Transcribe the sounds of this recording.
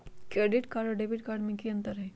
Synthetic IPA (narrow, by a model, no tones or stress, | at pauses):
kɾeːɖɪʈkaːɾɖɔɖebɪʈkaːɾɖmẽkiɐ̃nt̪əɾɦɛː